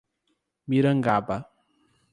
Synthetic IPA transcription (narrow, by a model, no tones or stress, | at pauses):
miɾəŋɡaba